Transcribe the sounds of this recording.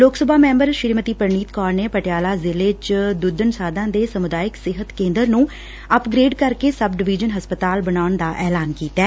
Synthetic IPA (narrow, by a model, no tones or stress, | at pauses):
loːksəbʱaːmɛ̃ːmbəɾʃɪɾimət̪iːpəɾɳiːt̪kɔːɾneːpəʈɪjaːlaːzɪleːt͡ʃd̪ʊd̪ənsaːd̪ãːd̪eːsəmʊd̪aːɪksɪɦət̪kẽːnd̪əɾnũː | əpɡɾeːɖkəɾkeːsəb̚ɖɪʋiːd͡ʒənɦəspət̪aːlbənaːʊɳd̪aːʔɛːlaːnkiːt̪ɛː